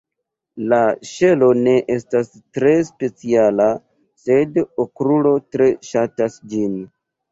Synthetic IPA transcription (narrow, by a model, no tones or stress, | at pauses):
laʃe̞lo̞ne̞ʔe̞stas | tɾe̞spe̞t͡siala | se̞dokɾulo̞tɾe̞ʃatasd͡ʒin